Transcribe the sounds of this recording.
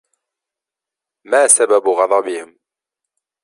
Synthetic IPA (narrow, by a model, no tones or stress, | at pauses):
maːsababɣɑðˤɑbɪhɪm